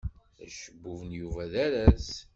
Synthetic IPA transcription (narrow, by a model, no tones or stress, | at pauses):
æʃəbːuvənjuvæðæɾæs